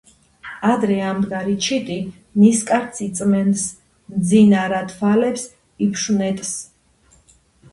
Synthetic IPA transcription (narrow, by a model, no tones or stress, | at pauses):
ad̪ɾɛamd̪ɡaɾit͡ʃʰit̪ʼi | niskʼaɾt̪sʰit̪sʼmɛns | md̪zinaɾat̪ʰfalɛps | ipʰʃunɛt̪ʼs